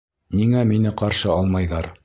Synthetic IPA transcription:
niŋæminɘqɑɾʃɤɑlˠmɑjðɑɾ

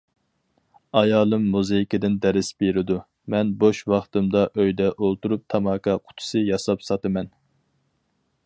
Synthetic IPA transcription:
ɑjɑːlˠɨmːuzejikʲɪd̪ɪnd̪ɛɾɪsbeɾɪd̪u | mɛnboʃwɑχt̪ɨmd̪ɑʔøjd̪ɛʔolˠt̪uɾup̚t̪ʰɑmɑːkʰɑqʰʊ̥t̪ʰʊ̥sɨjɑsɑpsɑt̪ɨmɛn

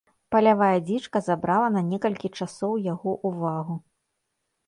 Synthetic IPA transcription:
pɐlʲavajɐd͡zʲit͡ʂkɐzabɾalˠɐnɐnʲɛkɐlʲkʲit͡ʂasɔwjaɣɔʔuvaɣu

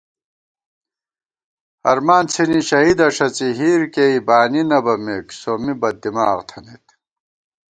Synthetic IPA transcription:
ɐ̰ɾmaːnt͡sʰiniɕɐɦid̪ɐʂɐt͡siɦiːɾkeːibaːninɐbɐmeːksoːmibɐd̪ːimaːʁt̪ʰɐnit̪

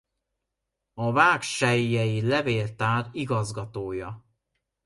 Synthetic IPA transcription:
ɒvaːkʃɛːɛjilɛveːlt̪aːɾiɡɒzɡɒt̪oːjɒ

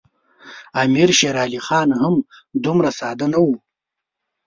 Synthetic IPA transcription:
amiɾʃeɾɑːlixɑːnhamd̪umɾasɑːd̪anawu

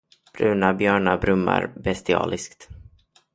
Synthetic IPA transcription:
b̥ɾʉ̟ːnabjœːɳabɾɵmːa̰ɾbɛst̪ɪɑ̰ːlɪskt̪

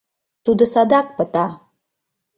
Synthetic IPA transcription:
t̪ud̪əsad̪ak̚pət̪a

